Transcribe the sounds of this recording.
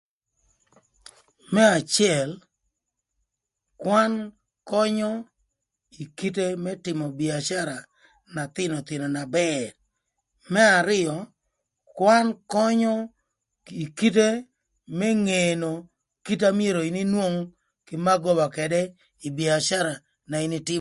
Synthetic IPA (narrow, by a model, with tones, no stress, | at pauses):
mɛ˦a˨t͡ʃɪ˦ɛ˨l | kwa˦n | kɔ˦ɲɔ˦ | i˨ki˦te˦mɛ˦tɪ˨mɔ˨bi˨a˨ʃa˦ɾa˨ | na˨t̪ɪ˦nɔ˨t̪ɪ˨nɔ˨na˨bɛr | mɛ˦a˨ɾɪ˦ɔ˨ | kwa˦nkɔ˦ɲɔ˦ | i˨ki˦t̬e˦ | mɛ˦ŋeno˨ | ki˦t̬a˦mɪ˦e˦˨ɾo˨i˨ni˦nwo˦ŋ | kɪ˨ma˦ɡɔ˦ba˨kɛ˨dɛ˦ | i˨bi˨a˨ʃa˦ɾa˨ | na˨i˨ni˦tɪ˦